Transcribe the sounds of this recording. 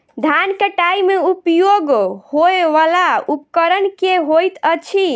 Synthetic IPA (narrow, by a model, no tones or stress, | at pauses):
d̪ʱankeʈaimeupjoɡhoeʋalaupkəɾənkeɦojt̪ət͡ʃʰi